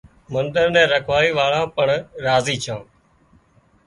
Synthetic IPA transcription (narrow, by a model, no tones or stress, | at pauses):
mənd̪əɾnɛ̃ːɾəkʰʋaːiːʋaːɭãːpəɳɾaːziːt͡ʃʰãː